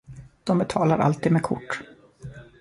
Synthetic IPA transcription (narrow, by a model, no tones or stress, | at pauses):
d̪̥ɔmbɛt̪ʰɑːlaɾʔa̰lt̪iːd̪meːkʰʊ̰ʈː